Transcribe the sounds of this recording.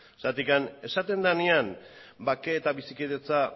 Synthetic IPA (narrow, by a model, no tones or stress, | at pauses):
sat̪ikane̞sat̪e̞nd̪aneam | bakeːt̪aβisikeðet͡sa